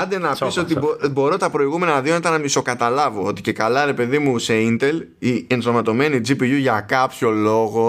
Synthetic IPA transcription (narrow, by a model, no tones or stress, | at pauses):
ɐnd̪enɐsiso̞t̪̬iobo̞ɾo̞t̪ɐpɾo̞iɣume̞nɐðionɐit̪ɐnɐmiso̞kɐt̪ɐlɐvoot̪i̥ce̞kɐlɐɾe̞pe̞ðimuseint̪e̞l | iensomɐt̪o̞me̞nid͡zipijuʝɐkɐpço̞lo̞ɣo̞